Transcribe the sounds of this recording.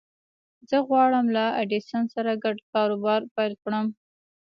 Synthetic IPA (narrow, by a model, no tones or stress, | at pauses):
zəɣwɑɽəmlaaɖisansaɾaɡaɖkɑɾobɑɾpajlkɽəm